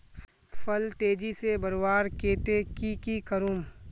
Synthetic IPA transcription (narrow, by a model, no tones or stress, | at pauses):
fɐlt̪eːd͡ʒisebɐɾwaːɾkeːt̪ekikikəɾum